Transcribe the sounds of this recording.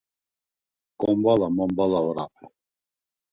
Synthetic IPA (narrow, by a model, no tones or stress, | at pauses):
kʼɔmbalamɔmbalaɔɾa̰pʰɛ